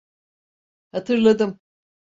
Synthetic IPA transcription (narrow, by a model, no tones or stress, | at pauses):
hat̪ʰɯɾlˠad̪ɯm